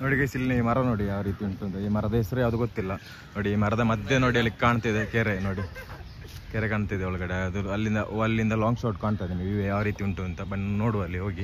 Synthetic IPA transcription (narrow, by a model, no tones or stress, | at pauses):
noːɽiɡesilːniʋmɐɾɐno̞ːɽijaːʋɐɾiːt̪iuɳʈuɐnt̪ɐiːmɐɾɐd̪ɐɦɛsɐɾujaːʋɐd̪uɡot̪ːilːɐ | no̞ːɽiːmɐɾɐd̪ɐmɐd̪jeno̞ːɽiɐlːikaːɳt̪ad̪ekeːɾenoːɽi | keːɾekaːɳt̪ajd̪eɔɭɐɡɐɽeɐd̪uɐlːind̪ɐʔɐlːind̪ɐlaːŋɡsoːʈkaːɳt̪ajd̪iniʋiʋejaːʋɐɾiːt̪iuɳʈuɐnt̪ɐbɐnnoːɽuʋɐlːiɦoːɡi